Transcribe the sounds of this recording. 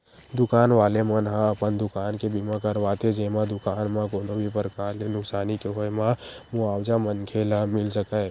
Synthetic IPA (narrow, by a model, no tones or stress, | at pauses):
d̪ʊkaːnʋaːlemənɦãəpənd̪ʊkaːnkebimãkəɾʋaːt̪ed͡ʒemãd̪ʊkaːnmãkoːnobʱipəɾkaːɾlenʊksaːnikeɦoemãmuaːwd͡ʒamənkʰelamɪlsəkəe